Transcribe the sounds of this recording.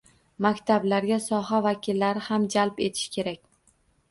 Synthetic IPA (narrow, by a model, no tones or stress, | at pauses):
makʲt̪ʰablaɾɡʲasɒɦavakʲʰilːaɾɪhamd͡ʒalpe̞t̪ʰɪ̥ʃkʲʰe̞ɾakʲ